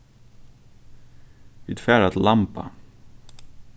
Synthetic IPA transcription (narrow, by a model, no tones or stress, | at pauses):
it̪fæːɖat̪lampa̰